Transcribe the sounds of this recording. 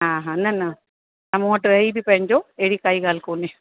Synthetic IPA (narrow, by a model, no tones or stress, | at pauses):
ɦãːɦãːnɐnɐ | ɐ̃mõɐʈɾɐɦibipɐ̃ɦɪ̃ɲd͡ʑoɛɦɪɽikaːiɡaːlkoːne